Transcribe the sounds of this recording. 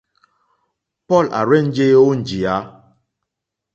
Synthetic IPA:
pɔ˦˨la̰˨ɾɛ˦˨n˦d͡ʒe˦o˦n̩˨d͡ʒi˨a˨˦

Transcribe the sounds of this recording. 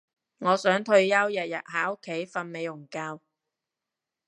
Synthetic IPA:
ŋɔː˨˧sœː˨˥ŋt̪ʰɵ˧ɥjɐ˥wjɐ˨t̚jɐ˨t̚haː˨˥ʊ˥kʰːe˨˥jfɐ˧nme˨˧jlʊ˨˩ŋkaː˧w

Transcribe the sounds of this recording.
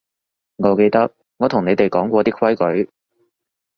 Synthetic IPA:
ŋɔː˨˧ke˧jt̪ɐ˥k̚ | ŋɔː˨˧t̪ʰʊ˨˩ŋne˨˧jt̪e˨jkɔː˨˥ŋkʷɔː˧t̪iː˥kʰɐ˥jkɵ˨˥ɥ

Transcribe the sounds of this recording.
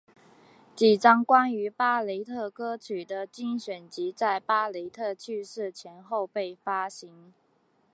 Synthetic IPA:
t͡ɕi˨˩ʈ͡ʂɑ˥ŋkwa˥ny˧˥pa˥le˧˥ɪt̪ʰɤ˥˩kɤ˥t͡ɕʰy˨˩d̪ə˦t͡ɕi˥˩ŋɕɥɛ˨˩nt͡ɕi˧˥t͡sa˥˩ɪpa˥le˧˥ɪt̪ʰɤ˥˧t͡ɕʰy˥˧ʂɻ̩˥˩t͡ɕʰjɛ˧˥nxo˥˧ʊpe˥˩ɪfa˥ɕi˧˥ŋ

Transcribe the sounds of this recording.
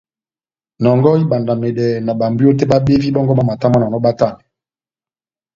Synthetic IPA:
nɔ˨ŋɡɔ˦i˦ba˨nda˨me˨dɛ˨na˨ba˨mbi˦o˦te˦ba˦be˦vi˦bɔ˦ŋɡɔ˦ma˦ma˨ta˦ma˦na˨nɔ˦ba˦ta˦˨nɛ˨

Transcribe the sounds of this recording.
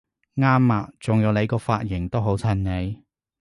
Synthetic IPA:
ŋaː˥mːaː˨k̚t͡sʊ˨ŋjɐ˨˧wne˨˧jkɔː˧faː˧t̚jɪ˨˩ŋt̪o˥wɦo˨˥wt͡sʰɐ˧˩nne˨˧j

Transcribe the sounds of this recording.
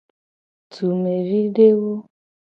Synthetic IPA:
tu˨me˨ɾi˦ɖe˦wo˦

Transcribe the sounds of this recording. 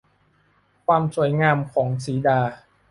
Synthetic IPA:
kʰwaː˧msu˨˩˦jŋaː˧mkʰɔː˩˦ŋsiː˩˦daː˧

